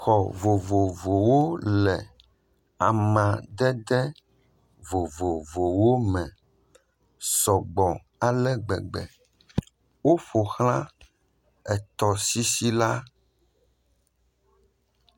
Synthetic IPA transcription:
xɔ˨vo˨vo˨vo˨wo˦lɛ˨ | a˨mã˨ɖ̪ɛ˦d̪ɛ˦ | vo˨vo˨vo˨wo˦mɛ̃˨ | sɔ˨ɡ͡bɔ̃˨ | a˨lɛ˦ɡ͡bɛ̰˨ɡ͡bɛ̰˨ | wo˦ɸo˨xl̃ã˦ | ɛ˨t̪ɔ˨si˦si˦la˦

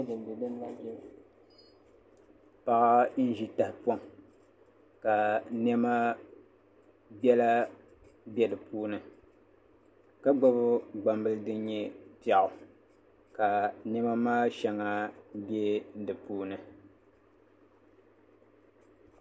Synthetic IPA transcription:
dɨ˨n˨bɨ˨bɨ˦nː˦a˦bɛ˦˨ | pa˨ʔa˦n̩˦ʒi˦ta˨hɪ˨pɔ˦˨m | ka˨nɛ˦ma˦ | bɛ˦la˦ | bjɛ˦dɨ˨puː˦nɨ˨ | ka˦ɡ͡ba˦bʊ˦ɡ͡ba˨mbɨ˦lɨ˦dɨ˦ɲ˦ɲɛ˦ti˦a˨ʔʊ˨ | ka˨nɛ˦ma˦maː˦ʃɛ˨ŋa˦bjɛ˦n̩˦dɨ˨puː˦nɨ˨

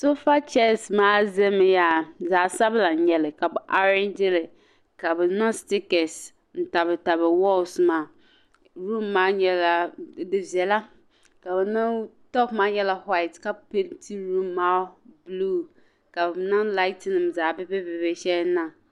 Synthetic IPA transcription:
so˦fa˦t͡ʃɛ˦˨smã˨˦zɛ˦mɪ̃˨ja˨zaː˨sa˦bla˨˦ɲɛ˨lɪ˨ka˨bʊ˨ʔa˦ɾɪ̃˦nd͡ʒɪ˦lɪ˨ | ka˨bɪ˨˦nã˦stɪ˦kɛ˨s | n̩˨ta˨bɛ˨ta˨bɛ˨wɔ˦lsmã˨ | ɾũ˦mːã˨˦ɲɛ˨la˨dɪ˨vi˨ɛ˨la˦ | ka˨bnã˦tɔ˦pmã˦ɲɛ˦˨la˨hwa˦ɪ˨tka˦pe˦tʰi˦ɾũ˦mːa˦blu˦ | ka˨bnã˦la˦ɪ˦tnɪ̃˨mzaː˨bɪ˦bɛ˦be˨bɛ˨ɕɛ˦nã˨

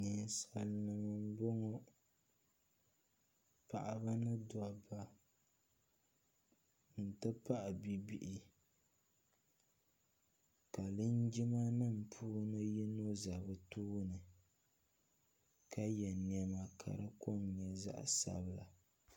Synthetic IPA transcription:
nɨ˨n˨sa˨lnɨ˨mɨ˨m˦bo˦ŋɔ˦ | pa˨ʔa˦ba˦nɨ˦da˨ba˦ | n̩˨tɨ˦pa˦ʔa˨bi˦bi˦ʔi˦ | ka˨lɨ˦n˦d͡ʒi˦ma˦nɨ˦˨m̩˨pʰuː˦nɨ˦jɛ˦no˦za˨bɨ˦tuː˦nɨ˨ | ka˦jɛ˨ni˨ɛ˦ma˨kʰa̰˨ɾɨ˦ko˦mɲɛ˨za̰˦ʔsa̰˨bɨ˦˨la̰˨

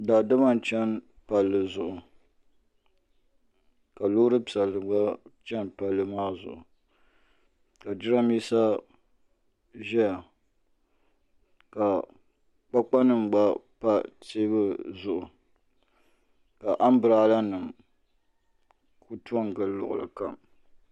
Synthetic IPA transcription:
da˨dɨ˦ba˦n˨t͡ʃɛ˦n | pa˨lːɨ˨zʊ˨ʔʊ˨ | ka˨lʊ˦ɾɨ˦pi˨a˨lɨ˨ɡ͡ba˦t͡ʃɛ˦npa˨lːɨ˨maː˦zʊ̰˨ʔʊ˨ | ka˨d͡ʒɪ˦ɾa˦mi˦sa˦ | ʒɛ˦ja˨ | ka˨ | k͡pa˦k͡pa˦nɨ˨mɡ͡ba˦pa˦te˦bɨ˦zʊ˨ʔʊ˨ | ka˨ʔa˦m˦bɨ˨ɾa˦la˦nɨ˨m | ku˦tu˦ɔ˦ŋɡɨ˨lʊ̰˨ʔʊ̰˨lɨ̰˨ka̰˨m

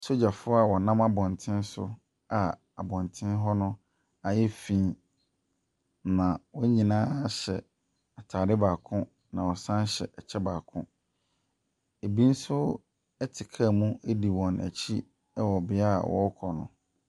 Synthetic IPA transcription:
so˦d͡ʑa˨fʊ˦a˨wɔ˨nã˦ma˦bɔ̃˨ntʰɪ̃˦n˦sʊ̰˦ | a˨ | a˨bɔ̃˨ntʰɪ̃˦n˦ɦɔ˦nʊ̃˦ | a˨jɛ˦fĩ˦˨ | nã˨wɔ˦ɲĩ˨nãː˦ɕɛ̰˨ | a˨tʰaː˨ɾɪ˦baː˨kʰʊ̃˦ | nã˨wɔ˨sã˦n˦ɕɛ̰˨ʔɛ˨t͡ɕʰɛ˦baː˨kʰʊ̃˦ | e˨bi˦n̩˦sʊ˦ | ɛ˦tʰɪ˨kʰa˦˨mũ˦e˦di˨wɔ̃˨næ̰˨t͡ɕʰi˦ | ɛ˦wɔ˨bɪ˦a̰˦˨wɔ̰˦kʰɔ˨nʊ̰̃˨

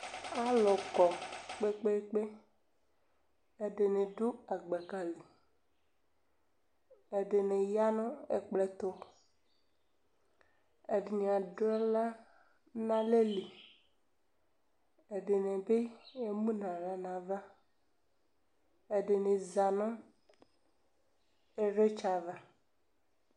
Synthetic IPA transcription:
a˦lɔ˨kɔ˨k͡pe˦k͡pe˦k͡pe˦ | e˦ɖe˨nẽ˨ɖu˦a˨ɡ͡be˨ka˨li˨ | e˨ɖe˨nẽ˨ja˦nɔ̃˦ḛ˨k͡ple˨t̪o˦ | e˨ɖe˨ɲ˨ã˨ɖo˦ɛ˦la˦ | nã˦le˦li˨ | e˨ɖe˨nẽ˨be˦e˦mũ˦nã˨nã˨nã˨va˦ | e˨ɖe˨nẽ˨za˨nõ˦ | e˦ɾe˦t͡ʃa˨va˨

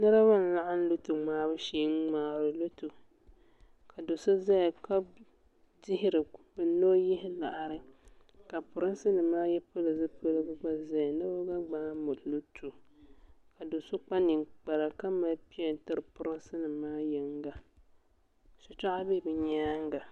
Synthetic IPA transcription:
nɨ˦ɾa˦ba˦n̩˦la˦ʔa˦n̩˦lo˦tu˨ŋ͡maː˨˦bɨ˦ʃeː˦ŋ˦ŋ͡maː˨ɾɨ˨lo˦tu˨ | kʰa˨do˨sʊ˦za˦˨ka˦ | dɪ˦hɪ˦ɾɨ˨bɨ˨no˦jɪ˦hɪ˦la˨ʔa˨ɾɨ˦ka˨pʊ˨ɾɨ˦n˦sɨ˦nɨ˨maː˦jɛ˦pʊ˦lɨ˨zɨ˦pʊ˦lɨ˦ɡɨ˦ɡ͡ba˦za˦jnɨ˦bo˦ɡa˦ɡ͡baː˦mʊ˨llu˦tʰu˨ | ka˨do˨sʊ˦k͡pa˦nɨ˨ŋk͡pa˨ɾa˨ka˦ma˦pi˦ɛ˨n˨tɨ˦ɾɨ˨pʊ˨ɾɨ˦nsɨ˦nɨ˨maː˦jɛ˦ŋ˦ɡa˨ | sʊ˨t͡ʃa˦ʔa˦be˦˨bɨ˨ɲaː˦ŋ˦ɡa˨

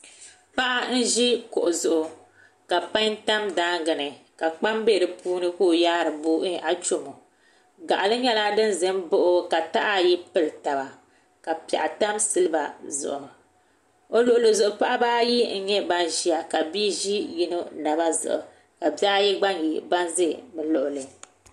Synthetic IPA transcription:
pa˦ʔa˦n̩˦ʒi˦ko̰˨ʔʊ˨zʊ˨ʔʊ˨ | ka˨pa˦ɲta˦mdaː˦ŋɡɨ˨nɨ˨ka˨k͡pa˦mbe˦˨ɾɨ˨puː˦nɨ˦ko˦˨jaː˦ɾɨ˨boː˦ʔi˦ʔa˨t͡ʃo˦mo˨ | ɡa̰˨ʔa˨lɨ˦ɲɛ˦la˦dɨ˦nzɨ˦mbʊ˦ʔʊ˦ka˨ta˦ʔa˦˨ji˦pɨ˦lta˨ba˨ | ka˨pa̰˨ʔa˨ta˦msɨ˦lɨ˦ba̰˨zʊ̰˨ʔʊ˨ | o˦lʊ˨ʔʊ˨lɨ˨zʊ˨ʔʊ˨pa˦ʔa˦baː˦ji˦ŋ̩˦ɲɛ˦ba˦nʒi˦a˨ka˨biː˦ʒi˦ji˦nɨ˦na˨ba˦zʊ̰˨ʔʊ̰˨ | ka˨ba˦ji˦ɡ͡ba˦nji˨ba˦nzɨ˦bɨ˨lʊ˨ʔʊ˨lɨ˨

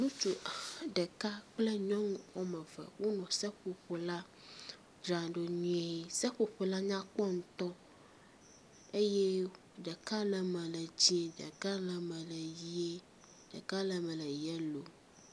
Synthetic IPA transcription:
nũ˦t͡ʃu˨ɖɛ˨ka˦k͡plɛ˦ɲɔ̃˦ŋ˦wɔ˦mɛ̃˨vɛ̰˨wo˦nɔ̃˨sɛ˦ɸo˨ɸo˨la˦ | d͡ʒɾa˨ɖo˨nũ˦e˦˨sɛ˦ɸo˨ɸo˨la˦ɲã˦k͡pɔ˦ŋ̩˦t̪ɔ˦ | e˦jɛ˦ | ɖɛ˨ka˦lə˨mɛ̃˨lə˨d͡ʑĩ˦e˨ɖə̰˨ka˦lə˨mɛ̃˨lə˨ji˦e˦ | ɖ̥ɛ̰˨ka˦lə˨mɛ̃˨lə˨jɛ˦lo˨

